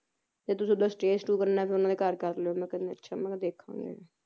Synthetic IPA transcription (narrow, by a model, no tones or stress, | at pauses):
t̪eːt̪ʊsĩːd̪aːsʈeːsʈuːkəɾnaɛpʰeʊnãːd̪eːkəɾkəɾleoːmɛ̃ːkəneːətːʃʰa̰ːmɛ̃ːkd̪eːkʰːã̰ːŋɡḛː